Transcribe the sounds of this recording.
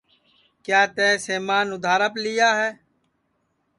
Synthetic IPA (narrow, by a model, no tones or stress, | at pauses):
kjaːt̪ɛ̃ːseːmaːnʊd̪ʱaːɾəplɪjaːɦɛː